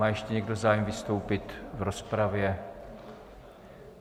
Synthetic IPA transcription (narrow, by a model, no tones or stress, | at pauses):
aːjɛʃcɛɲɛɡdozaːjɛmvɪst̪o̞wpɪt̪vɾospɾavjɛ